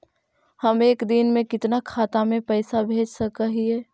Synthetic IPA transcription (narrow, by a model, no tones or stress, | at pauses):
həmeːkd̪ɪnmẽkɪt̪nakʰaːt̪amẽpəɪsabʱeːd͡ʒsɐkəɦiɛː